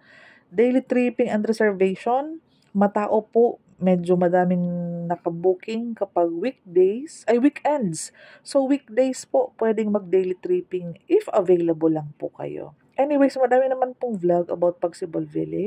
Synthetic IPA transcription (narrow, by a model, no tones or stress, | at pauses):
d̪ejlit̪ɾiːpɪŋɐnd̪ɾɛsɛɹvejʃon | mɐt̪aːʔo̞poʔ | mɛd͡ʒomɐd̪aːmɪŋnɐkɐbuːkɪŋkɐpaɡ̚wik̚d̪ejsʔɐjwikɛnd̪s | sowik̚d̪ejspopwɛːd̪ɪŋmɐɡ̚d̪ejlit̪ɾiːpɪŋʔɪfɐvejlɐbolɐŋpʊkɐ̰jo̰ | ʔɛnɪwejsmɐd̪aːmɪnɐmanpoŋvlaɡɐ̰bawt̪̚pɐɡsɪbolvɪ̰lɪ